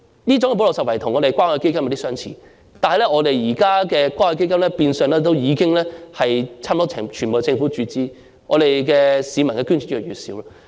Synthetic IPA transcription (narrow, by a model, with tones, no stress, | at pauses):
niː˥t͡sʊ˨˥ŋkɛ˧po˨˥lsɐ˨wɐ˨˩jt̪ʰʊ˨˩ŋɔ˨˧ɾe˨˩jkʷaː˥nhɔ˨˧jke˥jkɐ˥mjɐ˨˧t̪i˥sœː˥ŋt͡sʰḭː˨˩ | t̪aː˨nhɐ˨jlɛ˥ŋɔː˨˧t̪e˨jjiː˨˩kaː˥kɛː˧kʷaː˥nhɔ˧ke˥jkɐ˥mlɛ˥piː˧nsœː˨ŋlɛː˥t̪o˥wjiː˨˧kɪ˥ŋlɛː˥hɐ˨jt͡sʰaː˥mtɔː˥t͡sʰːt͡ʃʰy˨˩nbo˨˧ɛ˧t͡sɪ˧ŋfu˨˥t͡ʃyː˧t͡siː˥ | ŋɔ̰ː˨˧ɾe˨jkɛː˧siː˨˧mɐ˨˩nkɛː˧ky˥nt͡ʃʰy˨˥tːjyː˨sḭː˨˥wlaː˧